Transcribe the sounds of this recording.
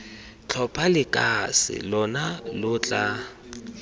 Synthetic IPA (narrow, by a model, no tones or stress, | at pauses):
t͡ɬʰɔpʰalɪkʼasɪ̰lɔnalʊːt͡ɬʼa